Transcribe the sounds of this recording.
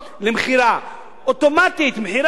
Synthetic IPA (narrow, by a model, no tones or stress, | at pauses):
lemχiɾa | ʔot̪omat̪it̪mħiɾ